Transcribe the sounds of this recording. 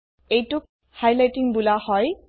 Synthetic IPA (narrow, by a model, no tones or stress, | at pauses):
ejtʊk̚ | hajlajtiŋbulahɔj